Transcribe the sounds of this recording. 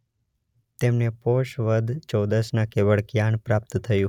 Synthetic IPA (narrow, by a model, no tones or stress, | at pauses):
t̪emnepoʃʋəd̪ʱt͡ʃɔd̪əsnakeʋəɭkjaɳpɾap̚t̪t̪ʰəjũ